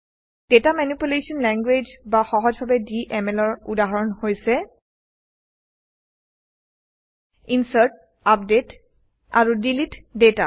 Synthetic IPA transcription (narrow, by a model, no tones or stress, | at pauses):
d̥etamanipulesɔnlɛŋɡwed͡ʒbaxɔɦɔzbʱabɛdiʔɛmɛlɔɹudaɦɔɹɔnhojsɛ | insaɹt̚ | apdet | a̰ɹudilitdeta̰